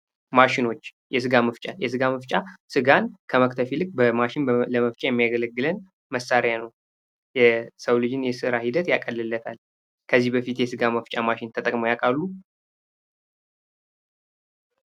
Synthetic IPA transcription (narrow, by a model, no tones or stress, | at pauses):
maʃɪno̞t͡ʃː | jɛsɨɡaməft͡ʃʼajɛsɨɡaməft͡ʃʼasɨɡankʰəməkt̪ʰəfilɨk̚ʼːbəmaʃɪnbləməft͡ʃʼajɛmːijaɡələɡːɨlən | məsːaɾjanəw | jɛsəwlɨd͡ʒɨnjɛsɨɾahid̪ət̪jakʼəlːɨlːət̪ʰal | kʰəzːihbəfit̪jɛsɨɡaməft͡ʃʼamaʃɪnt̪ʰət̪ʼəkʼmojakʼalːu